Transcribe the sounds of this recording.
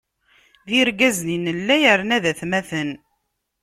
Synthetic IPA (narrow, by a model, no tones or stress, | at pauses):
ðiɾɡæzninəlːæjəɾnæðæθmæθən